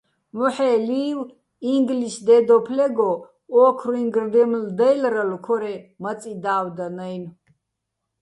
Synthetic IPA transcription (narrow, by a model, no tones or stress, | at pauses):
mɔħɛːliːw | iŋɡliʃd̪ɛd̪ɔpʰlɛɡɔ | ɔkʰruiŋɡrd̪ɛmld̪ɛjlɾalukʰɔɾɛmat͡sʼid̪aːwd̪anajn